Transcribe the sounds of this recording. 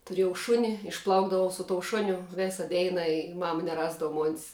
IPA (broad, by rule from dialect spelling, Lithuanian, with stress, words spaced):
tʊˈrʲeːjɛʊ ˈʃʊnʲɪ ɪʃˈplˠɐʊɡdɐʋɐʊ sʊ toːʊ ˈʃʊnʲʊ ˈʋʲeːsɐ ˈdʲɛɪnɐ ɪ ˈmɑːmɐ nʲɛˈrɑːzdɐʋɐ moːnʲs